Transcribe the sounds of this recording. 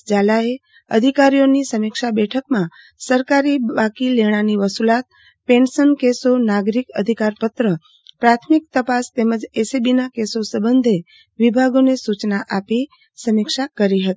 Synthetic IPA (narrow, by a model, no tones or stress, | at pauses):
d͡ʒalae | ə̰d̪ʱikaɾijonisəmɪkʃabɛʈʰəkmã | səɾkaɾibakileɽ̃aniʋəsulat̪̚ | pensənkesonaɡɾikəd̪ʱikaɾpət̪ɾə | pɾat̪ʰmik̚t̪əpast̪eməd͡ʒesibinakesosəbənd̪ʱe | ʋibʱaɡonesut͡ʃnaʔapi | səmɪkʃakəɾiɦət̪i̥